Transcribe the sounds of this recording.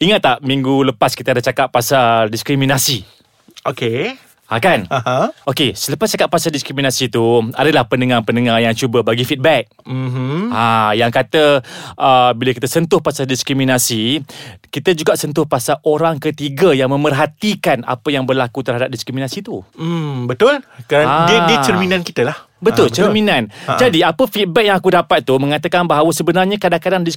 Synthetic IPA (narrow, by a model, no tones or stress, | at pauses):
iŋat̪ːaʔmĩŋɡuləpaskit̪əadaht͡ʃakappːasadiskɾimĩnasi | oke | akanaaokesələpast͡ʃakap̚pːasaldiskɾiminasit̪ua̰dalahpənəŋarpənəŋarjaŋt͡ʃubəbaɡifit̪̚bɛk̩̚majaŋkat̪əʔəbiləkit̪əsənt̪ʊhpasaldiskɾiminasikit̪əd͡ʒuɡaʔsənt̪̬ʊhpasaʔoɾaŋkət̪iɡajaŋmə̃mərɦat̪ikana̰pəjaŋbərlakut̪ərɦadap̚diskɾiminasit̪ubət̪ʊlkaaiit͡ʃərminãnkit̪alah | bət̪ʊlt͡ʃərmĩnãnd͡ʒadiapəfit̪̚bɛk̚jãŋakudapat̪̚ːumə̃ŋat̪akanbaɦawəsəbənarɲakadaŋkadaŋdis